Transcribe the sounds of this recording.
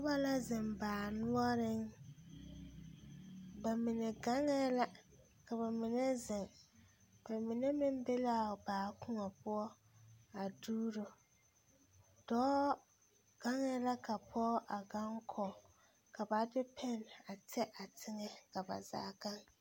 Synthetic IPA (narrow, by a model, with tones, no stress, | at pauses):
ʊ˦ba˦la˦zɪ˨mbaː˨nʊ˦ɔ˦ɾɪ˦ŋ | ba˨mɪ˨nɛ˨ɡa˦ŋɛ˦la˦ | ka˨βa˨mɪ˨nɛ˦zɪ˨ŋ | ba˨mɪ˨nɛ˦mɪ˦m˦be˦la˦˨baː˨kʰʊ˦ŋɔ˨pʊ˦ɔ˦ | a˨duː˦ɾo˨ | d̥ɔː˦ | ɡ̥a˦ŋɛ˦la˦ka˨pʰɔː˦ʔa˨ɡa˦ŋkʰɔ˨ | ka˨ba˨dɪ˦pʰɛ˦na˨tɛ˦ʔa˨tʰɪ˦ŋɛ˦ka˨ba̰˨za̰ː˦ɡa˦ŋ